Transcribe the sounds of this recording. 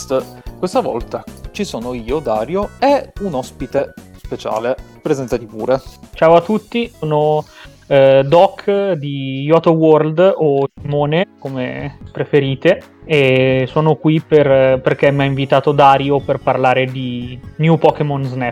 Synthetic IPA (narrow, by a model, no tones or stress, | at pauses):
st̪kwest̪avɔ̰lt̪at͡ʃisoːnoiːod̪aːɾjoeunɔspit̪espet͡ʃa̰ːlepɾezɛnt̪at̪ipṵːɾet͡ʃaːwat̪ːut̪ːisoːno | d̪ɔkʰːd̪ijɔt̪oworld̪osimoːnekomḛpɾefeɾiːt̪e | esoːnokwiperperk̟emːiaiɱvit̪aːt̪od̪aːɾjoperparlaːɾed̪injupɔkemonznɛ